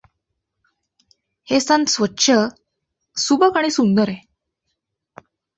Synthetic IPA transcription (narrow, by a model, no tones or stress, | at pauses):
hesãnsʋətːɕʰə | subəkaɽ̃iːsund̪əɾe